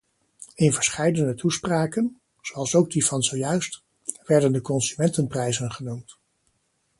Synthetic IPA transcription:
ɪnvəɹsχɛjdənətuspraːkən | z̥oɑlˠsowɡ̚divɑnzowjœɥst | ʋɛɹdəndəkɔnzymɛntənprɛjzənχənumt

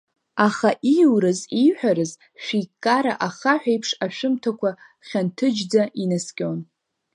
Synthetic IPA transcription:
aχaʔijwɾɨzijħʷᶣaɾɨz | ʃᶣijkʼːaɾa̰ʔaχaħʷᶣajpʰʂaʃᶣɪmtʰakʷa | χʲantʰɨd͡ʒd͡zaʔinaskʲʼon

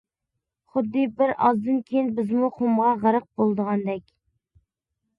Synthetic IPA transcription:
χʊd̪ːɨbɪɾɑzd̪ɨnkʲʰejinbɪzmuχomʁɑʁəɾəq̚bolˠd̪əʁɑnd̪ɛkʲ

